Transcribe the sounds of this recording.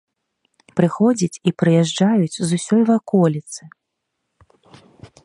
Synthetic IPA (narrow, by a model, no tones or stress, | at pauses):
pɾɨxɔd͡zʲit͡sʲipɾɨjɛʐd͡ʐajut͡sʲzusʲɔjvakɔlʲit̪sɨ